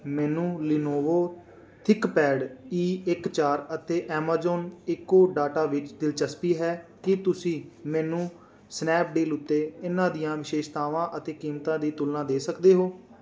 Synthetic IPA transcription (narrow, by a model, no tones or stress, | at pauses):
mɛːnũːlɪnoːʋoː | t̪ʰɪkpɛːɖiːɪkt͡ʃaːɾət̪eːʔɛːmaːzoːnɪkːoːɖaːʈaːʋɪt͡ʃd̪ɪlt͡ʃəspiːɦɛːkɪt̪ʊsĩːmɛːnũː | snɛːp̚ɖiːlʊt̪ːeːɪnãːd̪ɪjãːʋɪʃeːʃt̪aːʋãːʔət̪eːkiːmt̪ãːd̪iːt̪ʊlːãːd̪eːsəkd̪eːɦoː